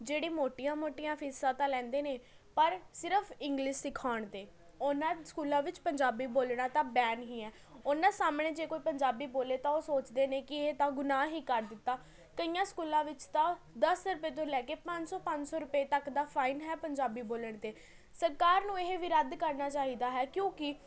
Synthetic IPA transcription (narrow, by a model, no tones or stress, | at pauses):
d͡ʒeːɽiːmoːʈijãːmoːʈijãːpʰɪːsãːt̪ãːlɛ̃ːnd̪eːneː | pəɾsɪɾəpʰɪŋɡlɪʃɪkʰaːɳt̪eː | onãːskuːlãːʋɪt͡ʃpəɲd͡ʒaːbiːboːlɽaːt̪ãːbɛːnɦiːɛː | onãːsaːmɳeːd͡ʒeːkoːiːpəɲd͡ʒaːbiːboːleːt̪ãːoːsoːt͡ʃd̪eːneːkɪet̪ãːɡʊnaːɦiːkəɾd̪ɪt̪ːaː | kəijãːskuːlãːʋɪt͡ʃt̪ãː | d̪əsɾʊpeːt̪̬õːlɛːkeːpə̃ɲd͡ʒsɔːpəɲd͡ʒsɔːɾʊpeːt̪əkd̪aːpʰaːinɦɛːpəɲd͡ʒaːbiːboːləɳ̃t̪eː | səɾkaːɾnũːeɦeʋiɾəd̪kəɾnaːt͡ʃaːɦiːd̪aːɦɛːkjõːkɪ